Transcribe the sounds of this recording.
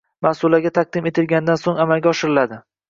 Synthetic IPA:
masʊlaɡʲat̪ʰaq̚d̪ɪme̞t̪ʰɪlɡʲanɪd̪ansoŋamalɡʲaɒʃɪɾɪlad̪ɪ

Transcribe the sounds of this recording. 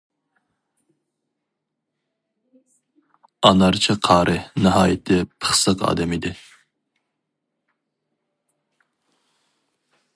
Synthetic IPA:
ɑnɑɾt͡ʃʰɪqʰɑːɾɨnɨɦɑːjɪt̪ʰɪpʰə̥χsəqɑ̰ːd̪ɛmid̪ɪ

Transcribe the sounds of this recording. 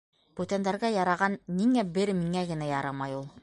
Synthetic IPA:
b̥ʉt̪ænd̪æɾɡæjɑɾɑʁɑnːiŋæbɘɾmiŋæɡɘ̆næjɑɾɑmɑjulˠ

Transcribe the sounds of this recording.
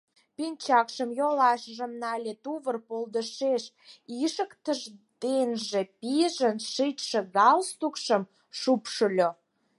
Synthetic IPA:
pinʲt͡ɕɑkʃəmjolɑʃəʒəmnɑlʲet̪uβərpold̪əʃeʃ | iʃəkt̪əʒd̪̥enʒepiʒənʃɨt̪ʃə̆ɣɑlst̪ukʃəm | ʃupʃəlʲo

